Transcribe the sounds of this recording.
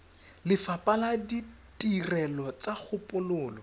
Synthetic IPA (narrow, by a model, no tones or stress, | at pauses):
lɪfapʼaladi | tʼirɛlɔt͡sak͡xʰʊpʼʊlʊːlɔ